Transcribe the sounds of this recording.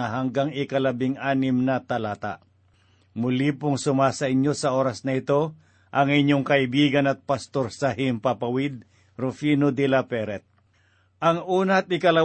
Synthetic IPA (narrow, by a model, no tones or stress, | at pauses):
aɦaŋɡaŋɪkɐlɐbɪŋʔaːnɪmnɐt̪ɐlaːt̪a̰ʔ | mʊlipʊŋsʊmasɐʔɪɲjo̞sɐʔo̞ːɾɐsnɐɪt̪o̞ | ʔɐŋɪɲoŋkɐʔɪbiːɡɐnɐt̪̚pɐst̪o̞ɾsɐhɪmpapɐwɪd̪̚ | ɾʊfinod̪ɛlapɛɾɛt̪̚ | ʔɐŋuːnat̪̚ɪkɐlɐ